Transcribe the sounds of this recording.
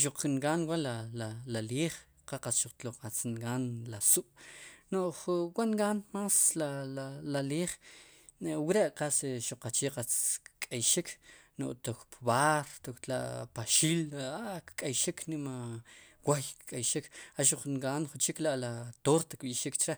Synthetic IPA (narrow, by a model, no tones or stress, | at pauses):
ʃuq͡χŋɡaːnwalalalaliːχ | qaqasʃuq͡χt̪loqat͡sŋɡaːnlasuʔnoʔχwaʔŋɡanmaːslalalaliːχ | wiɾeʔqasʃuq͡χat͡ʃiːqat͡skʼajʃikʰno̰ʔt̪okpβaɾt̪okt̪la̰ʔpaʃiːlakkʼajʃikʰnimawajkkʼajʃikaʃuq͡χŋɡaːnχut͡ʃiklaʔlat̪oɾt̪akɓiʔʃikt͡ʃɾe